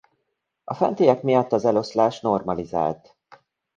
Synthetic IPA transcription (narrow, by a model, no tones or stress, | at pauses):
ɒfɛ̰nt̪iːjɛkmijɒt̪ːɒzɛlo̞slaːʃno̞rmɒliza̰ːlt̪